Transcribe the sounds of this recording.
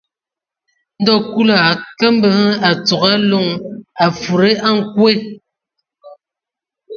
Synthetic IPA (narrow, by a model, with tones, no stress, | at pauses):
n̩˦dɔ˦ku˦la˨kə˦m̩˦bə˨ŋ˦a˨t͡so˨ɣa˦lo˦˨ŋa˨fu˨ɾe˦a˦ŋ˨˦kwe˦˨